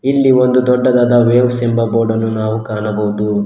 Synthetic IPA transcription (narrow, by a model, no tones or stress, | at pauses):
ilːiond̪ud̪ɔɖːɐd̪ɐd̪ɐʋeːʋɐsembɐboːɾɖɐnːunaːʋukaːɳɐbɐwud̪u